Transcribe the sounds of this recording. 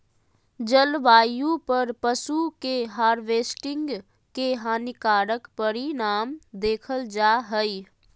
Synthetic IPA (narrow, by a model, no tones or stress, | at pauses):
d͡ʒəlʋaːjũpəɾpəsukeɦaːɾʋeːsʈɪ̃ŋɡ | keɦaːnɪkaːɾəkpəɾinaːmd̪eːkʰəld͡ʒaːɦəi